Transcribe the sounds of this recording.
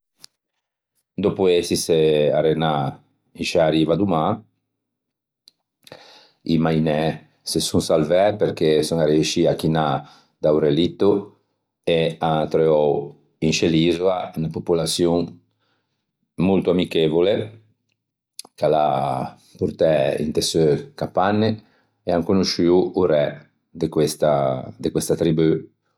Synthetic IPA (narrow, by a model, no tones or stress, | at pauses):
d̪opuesiseaɾena | iʃaɾivad̪uma | imajnɛ | sesuŋsalvɛɾpeɾkesɔŋaɾeuʃiakina | d̪awɾelit̪ːu | eat̪ɾeɔw | int͡ʃelizoaynapopulasjoŋ | molt̪oamikevole | kala | puɾt̪ɛḭnt̪esøkapanːe | eaŋkonoʃywuɾɛ | d̪ekwest̪ad̪ekwest̪at̪ɾiby